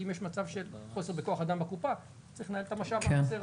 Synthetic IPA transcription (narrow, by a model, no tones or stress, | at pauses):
imjeʃmat͡savʃe̞lχo̞se̞ʁbeko̞aχad̪ambakupa | t͡sʁiχnaelet̪amaʃavkaseʁ